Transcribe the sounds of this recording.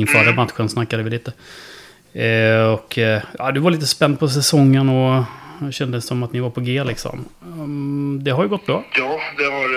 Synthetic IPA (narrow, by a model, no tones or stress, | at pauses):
ɪnfœːɾəbant̪ɧɛnsnakːad̪əʋɪliːt̪ə | ɔkːa̰ːd̪ɵvaɾɭiːt̪əspɛnd̪̚pʰɔs̬ɛsɔŋːənɔ | ɕɛnd̪əsːɔmat̪nɪvaɾpʰɔɡeːlɪksɔ̰m | d̪ɛɦaɾjɵɡɔt̪ːbɾɑːjɑːd̪ɛɑ